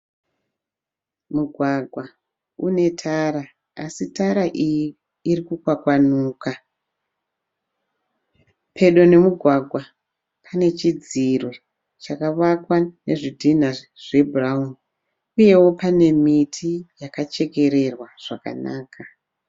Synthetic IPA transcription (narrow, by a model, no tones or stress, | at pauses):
muɡʱwaɡʱwa | ṵne̞tʰaɾa | asitaɾaʔijiː | ɾikukwakwanuːka | pʰe̞ɗo̞ne̞muɡʱwaɡʱwa | pʰane̞t͡ʃid͡zirwo | t͡ʃakaʋakwane̞ʐidʱin̤a | ʐ̥e̞bʱuraun | uje̞wo̞pane̞mitʰijakat͡ʃe̞ke̞ɾe̞rwaʐ̥aka̰na̰ːka